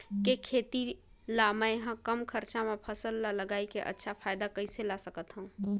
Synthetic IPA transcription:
kekʰet̪i | lamə̃jɦãkəmkʰəɾt͡ʃamepʰəsəlːaləɡaːikeʔə̰tːʃʰapʰajd̪akəɪselasəkət̪ɦəũ

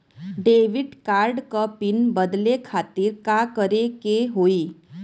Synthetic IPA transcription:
ɖeʋiɖkaɾɖkəpiːnbəd̪lekʰat̪iːɾkakəɾekeɦoiː

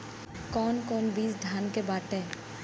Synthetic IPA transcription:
kɔːnkɔːnbiːsd̪ʱaːnkebaːʈẽː

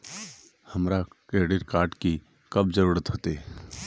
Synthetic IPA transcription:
hɐmɾakeːɽɪɾkaːɾʈki | kɐbzəɾuːɾət̪ɦoːt̪e

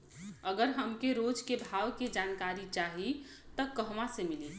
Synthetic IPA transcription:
əɡəɾɦəmkeɾod͡ʒkebʱaːwked͡ʒankaɾit͡ʃaɦi | t̪əkəɦmasemili

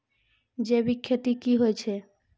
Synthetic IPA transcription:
d͡ʒebikʰːjot̪ikiɦoet͡ɕʰe

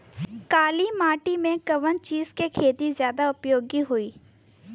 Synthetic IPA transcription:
kaːliːmaːʈimẽkəʋənt͡ʃiːzkekʰeːt̪izjaːd̪aʊpjoːɡiɦuiː

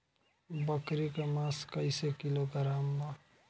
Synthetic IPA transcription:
bəkɾikemãskəɪsekiloɡəɾaːmba

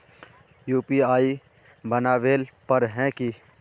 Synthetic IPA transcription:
juːpiaːi | bɐnaːʋeːlpɐɾɦɛ̃ki

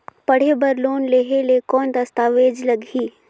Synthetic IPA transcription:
pəɽ̤ebəɾloːnleːɦelekɔːnd̪ɐst̪aːʋeːd͡ʒləɡiː

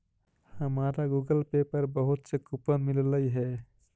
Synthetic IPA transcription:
həmaɾaɡuɡəlpepəɾbəɦut̪sekupənmilləjɦɛ

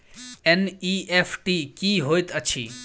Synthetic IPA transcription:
eniepʰʈikiɦojt̪ət͡ɕʰḭ

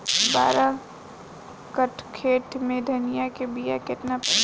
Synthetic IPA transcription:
ba̰ːɾa | kəʈʰkʰeːʈmẽd̪ʱɐnɪjakebijakɪt̪napɐ

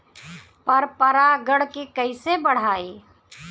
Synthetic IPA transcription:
pɐɾpɐɾaɡəɽkekɐisebəɽ̤aːiː

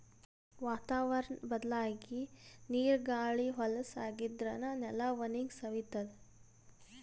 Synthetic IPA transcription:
ʋaːt̪aːʋɐɾɐnbɐd̪ɐlaːɡiniːɾɡaːɭiɦɔlɐsaːɡid̪ɾɐnɐnɛlɐʋɐniŋɡsɐʋit̪ɐd̪e

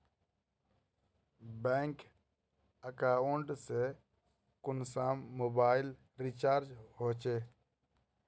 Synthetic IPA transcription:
beːŋk | əkaːoɳɖse | kʊnsaːmːoːbaːɪl | ɾit͡ʃaːɾd͡ʒɦoːt͡ʃeː

